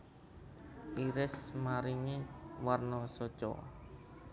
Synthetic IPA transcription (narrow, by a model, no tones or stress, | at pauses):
ʔiɾɪsmaɾiŋiwarnɔsɔ̥t͡ʃɔ̰